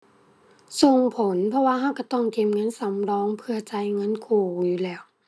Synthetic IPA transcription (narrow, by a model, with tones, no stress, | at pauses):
so˧ŋpʰo˨˦npʰɔ˧waː˧ɦa˧˥˨wka˧˩t̪ɔ˧˩ŋke˧˩mŋɤ˧˥˨nsa˨˦mlɔː˧˥˨ŋpʰɯ˧ɐt͡ɕa˧˥˩jŋɤ˧˥˨nkʰuː˧˩juː˧˩˨lɛː˧˩w